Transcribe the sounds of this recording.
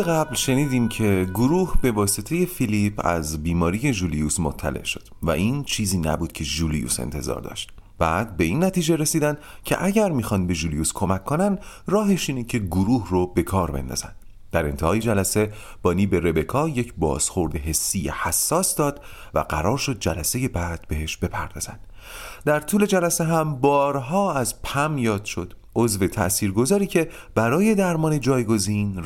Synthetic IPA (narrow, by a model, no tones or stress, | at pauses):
eɣæblʃe̞niːd̪iːmcʰe̞ɡoɾuːhb̥e̞vɒːset̪ʰe̞je̞filipʰæ̰zbiːmɒːɾije̞ʒuːlijuːsmot̪ʰːæ̰le̞̰ʔʃo̞d̪̥væʔiːnt͡ʃʰiːziːnæ̰buːd̪̥̚cʰe̞ʒuːlijṵse̞̰nt̪ʰe̞̰zɒ̰ːɾd̪ɒ̰ːʃt̪̚ | b̥æd̪̚be̞inːæt̪ʰiːd͡ʒe̞ɾe̞siːd̪ænd̪ | cʰe̞̰ʔæɟæɾmixɒnd̪be̞ʒulijuːskʰo̞mæcʰːo̞nænd̪ | rɒːɦe̞ʃiːnicʰe̞ɡoɾuːhrobe̞kʰɒːɾbend̪ɒ̰ːz̥æ̰nd̪̥ | d̪̥æɾe̞nt̪ʰehɒːjed͡ʒælæse̞ | b̥ɒːniːbe̞ɾe̞be̞kʰɒːje̞cʰbɒ̰ːz̥χo̞ɾd̪eɦe̞sːijehæsːɒːsd̪ɒːd̪̥ | væ̰ɡæ̰ɾɒːɾʃo̞d̪̚d͡ʒælæse̞je̞bæd̪̥be̞ɦe̞ʃb̥e̞pʰæ̰ɾd̪ɒ̰ːz̥æ̰nd̪̥ | d̪æɾt̪ʰuːle̞d͡ʒælæse̞ɦæmbɒːɾɦɒːæzpʰæmjɒːd̪̥ʃo̞d̪̥ʔo̞zve̞t̪ʰæ̰ʔsiːɾɡo̞zɒːɾiːcʰe̞ | b̥æɾɒːje̞d̪æɾmɒːne̞d͡ʒɒːjɡo̞zin